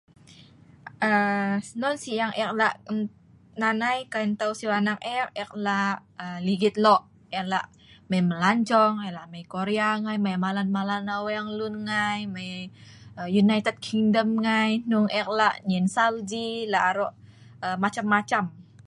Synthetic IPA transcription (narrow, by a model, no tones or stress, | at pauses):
ənɔnsiaŋʔɛk̚laʔ | nanajkaint̪ausiwanak̚ɛk̚ɛk̚laəliɡit̪̚lɔʔ | ɛklaʔ | mɛməlaɲt͡ʃɔŋɛlaʔmajkoɾeaŋajmajmalanmalanawɛaŋlunŋajmaj | junait̪ɛd̚kʰiŋdəmŋajnuŋɛk̚laʔɲɛnsald͡ʒilaʔaɾɔʔ | əmat͡ʃamːat͡ʃam